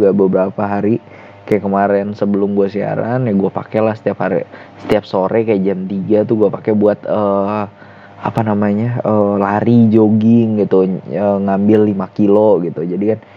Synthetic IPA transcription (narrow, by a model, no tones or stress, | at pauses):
ɡabəbəɾapaɦaɾi | kajakəmaɾɛnsəbəlʊmɡuasia̰ɾa̰njaɡuapa̰kɛlahsə̥t̪iaphaɾḭ | sə̥t̪iap̚soɾɛkajad͡ʒamt̪iɡat̪uɡuapakɛbuat̪əː | apanamaɲaəlaɾid͡ʒoɡɪŋɡit̪uəŋambɪlːimakiloɡit̪ud͡ʒadikan